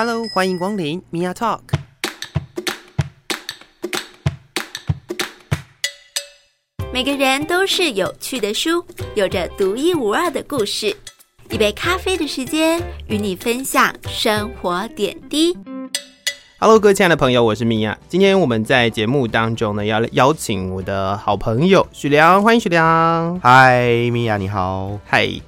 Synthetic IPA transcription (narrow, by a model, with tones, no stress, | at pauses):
a˧lo˧ʊxwa˥ni˧˥ŋkwɑ˥ŋli˧˥˦nmi˧ja˥˧t̪ʰɔ˥˨k | me˨˩ɪɡə˦ɻə˧˥nt̪o˥ʊʂɻ̩˥˩jo˨˩ʊt͡ɕʰy˥˩d̪ə˩ʂu˥jo˨˩ʊʈ͡ʂə˦t̪u˧˥i˥˩u˨˩ə˞˥˩d̪ə˩ku˥˧ʂɻ̩˥˩ | i˥˩pe˥˩ɪkʰa˥fe˥ɪd̪ə˨ʂɻ̩˧˥t͡ɕjɛ˥ny˧˥ni˨˩fə˥nɕjɑ˨˩ŋʂə˥ŋxwɔ˧˥t̪jɛ̰˨˩nt̪i˥ | xa˧˩lo˧˥ʊkɤ˥˩t͡ɕʰi˧˥na˥˩d̪ə˩pʰɤ˧˥ŋjo˨˧ʊwɔ˨˩ʂ̬ɻ̩˥˧mi˧˩ja̰˨˩t͡ɕi˥nt̪ʰjɛ˥nwɔ˨˩mə˦nt͡sa˥˩ɪt͡ɕjɛ˧˥mu˥˨t̪ɑ˥ŋʈ͡ʂʊ˥ŋnə˨jɑ˥˩ʊjɑ˥ʊt͡ɕʰi˨˥ŋwɔ˨˩d̪ə˦xɑ˨˩ʊpʰɤ˧˥ŋjo˨˩ʊɕy˨˩ljɑ˧˦ŋxwa˥i˧ŋ˥ɕy˨˩ljɑ˧˦ha˥˧ɪmi˧ja˧˩ni˨˩xɑ˨˩ʊha˥˩ɪ